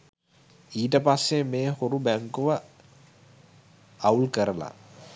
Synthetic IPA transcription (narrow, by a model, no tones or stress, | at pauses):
iːʈəpasːemeːhoɾubæŋkuʋə | aulkəɾəla̰